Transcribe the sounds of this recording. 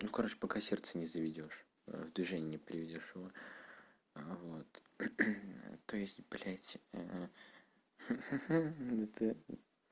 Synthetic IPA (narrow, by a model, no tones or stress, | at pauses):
nukɐɾot͡ɕpɐkasʲɛrt̪sənʲɪzəvʲɪdʲo̞ʂ | vd̪vʲɪʐɛnʲɪpɾʲɪvʲɪdʲo̞ʂɪvo | vo̞t̪ | t̪oɪsʲtʲb̥lʲætʲ | ət̪ɨ